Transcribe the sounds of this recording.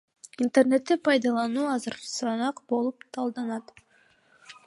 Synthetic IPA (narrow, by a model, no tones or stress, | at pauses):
int̪erne̞t̪ːepɑjd̪ɑlˠɑnuːɑzɨɾsɑnɑqbo̞lˠupt̪ʰɑlˠd̪ɑnɑt̪